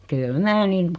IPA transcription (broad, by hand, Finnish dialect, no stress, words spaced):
kyl mæː nin